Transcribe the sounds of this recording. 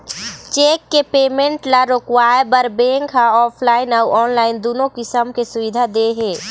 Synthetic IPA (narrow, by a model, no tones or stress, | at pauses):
t͡ʃeːkːepeːmẽɳʈlaɾoːkwaːebəɾbeːŋkɦaɔːpʰlaːɪnawɔːnlaːɪnd̪oːnõkɪsəmkesʊʋɪd̪ʱad̪eɦeː